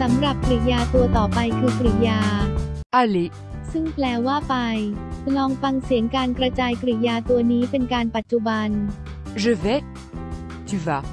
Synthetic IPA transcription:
sa˩˦mɾa˨˩p̚kɾi˨˩jaː˧t̪u˧ɐt̪ɔː˨˩pa˧jkʰɯː˧kɾi˨˩jaː˧ʔa˧le˧ | sɯ˥˩ŋpʰlɛː˧waː˥˩pa˧jʰlɔː˧ŋfa˧ŋsi˨˩˦əŋkaː˧nkɾa˧t͡ɕaː˧jkɾi˨˩jaː˧t̪u˧ɐniː˦˥pe˧nkaː˧npa˨˩t̪̚t͡ɕu˧ba˧n | ʒə˧vɛ˦ | t̪y˧va˧

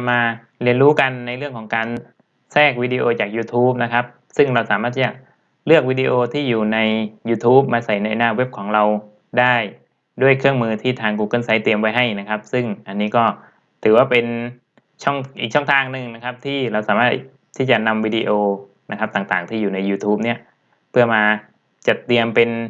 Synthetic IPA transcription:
maː˧ | li˧ənɾuː˦˥ka˧nːa˧jɾɯ˥˩əŋkʰɔː˩˦ŋkaː˧n | sɛː˥˩k̚wiː˧di˧ʔoː˧t͡ɕaː˨˩k̚juː˧t̪ʰuː˦˥p̚na˦˥kʰa˦˥p̚ | sɯ˥˩ŋɾa˧wsaː˩˦maː˥˩iː˥˩a˨˩ʔ | lɯ˥˩ək̚wiː˧di˧ʔoː˧t̪ʰiː˥˩juː˨˩na˧jjuː˧t̪ʰuː˦˥p̚maː˧sa˨˩jna˧jnaː˧˩we˦˥p̚kʰɔː˩˦ŋɾa˧w | daː˥˩j | du˥˩əjkʰɯ˥˩əŋmɯː˧t̪ʰiː˥˩t̪ʰaː˧ŋk̬uː˧kɤ˥˩nsa˦˥jt̪i˧əmpa˧jɦa˥˩jna˦˥kʰa˦˥p̚sɯ˥˩ŋʔa˧nːiː˦˥kɔː˥˩ | t̪ʰɯː˩˦waː˥˩pe˧n | t͡ɕʰɔ˥˩ŋʔiː˨˩k̚t͡ɕʰɔ˥˩ŋt̪ʰaː˧ŋnɯ˨˧ŋna˦˥kʰa˦˥p̚t̪ʰiː˥˩ɾa˧wsaː˩˦maː˥˩ | t̪ʰːiː˥˩t͡ɕa˨˩na˧mwiː˧di˧ʔoː˧ | na˦˥kʰa˦˥p̚t̪aː˨˩ŋt̪aː˨˩ŋt̪ʰiː˥˩juː˨˩na˧juː˧t̪ʰuː˦˥p̚ni˦˥˩ɐ | pʰɯ˥˩ɐmaː˧ | t͡ɕa˨˩t̪i˧əmpe˧n

